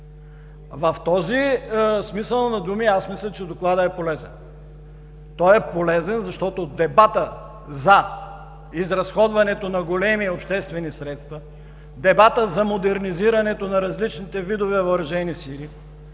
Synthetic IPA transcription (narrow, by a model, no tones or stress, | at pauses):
vɐft̪ɔzismisəlˠnɐd̪umiasmislʲɛt͡ʃɛd̪oklˠad̪əɛpolɛzɛ̰n | t̪ɔjɛpolɛzɛnzɐʃt̪ɔt̪od̪ɛbat̪ə | zɐ | izɾɐsxɔd̪vɐnɛt̪onɐɡolɛmiopʃt̪ɛst̪vɛnisɾɛt̪st̪vɐ | d̪ɛbat̪əzɐmod̪ɛɾniziɾɐnɛt̪onɐɾɐzlit͡ʃnit̪ɛvid̪ovɛoɾɐʒɛnisili